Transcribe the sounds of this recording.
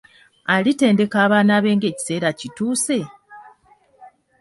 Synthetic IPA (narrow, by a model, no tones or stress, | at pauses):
alite̞ːnde̞kaːβaːnaβe̞ːŋɡe̞ːci̥se̞ːɾacituːse̞